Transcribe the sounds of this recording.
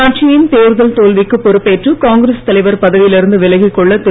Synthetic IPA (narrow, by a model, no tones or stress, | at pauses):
aːʈ̚t͡ʃɪjɪnt̪eːɾɯðɐlt̪oːlʋɪkːɯpːɔɾɯpːeːʈrɯkaːŋɡɪɾɐst̪ɐlɐɪʋɐɾpɐðɐʋɪjɪlɪɾɯnd̪ɯʋɪlɐɣɪkːɔɭːɐt̪ːɪ